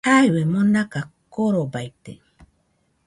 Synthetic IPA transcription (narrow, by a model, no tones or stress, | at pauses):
aiwemonakakoɾobajt̪ḛ